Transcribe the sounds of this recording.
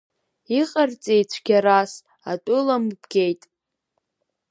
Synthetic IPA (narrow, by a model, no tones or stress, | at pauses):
iqʼart͡sʼejt͡ɕʷʰɡʲaɾas | a̰tʷʼʊlambɡʲejtʼ